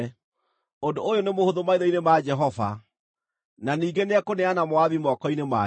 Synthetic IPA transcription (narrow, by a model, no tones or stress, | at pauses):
ondoojonemohoðomaiðɔinemad͡ʒɛɦɔva̰ | naniːɡeneakoneanamoaðimɔkɔinema